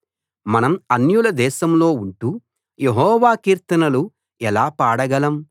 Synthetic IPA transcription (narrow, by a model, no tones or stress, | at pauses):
mɐnɐmɐnjulɐd̪ɛːʃɐmlo̞ːuɳʈuː | jeɦɔːʋaːkiːɾt̪ɐnɐlu | ɛlaːpaːɽɐɡɐlɐm